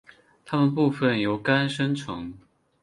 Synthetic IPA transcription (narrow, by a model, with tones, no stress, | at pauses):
t̪ʰa˥mə˨np̬u˥˧fə˥˩njo˨˧˥ʊka˥nʂə˥ŋʈ͡ʂʰʊ̰˧˦ŋ